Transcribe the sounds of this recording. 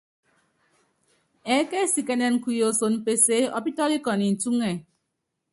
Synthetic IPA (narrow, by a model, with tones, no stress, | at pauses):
ɛ˨˦ke˦si˨ke˨nɛ˨n̩˨ku˨jo˨so˨nm̩˨pe˨se˦ɔ̰˦pi˦tɔ˦li˦kɔ˨ni˨n̩˨tu˦ŋe˨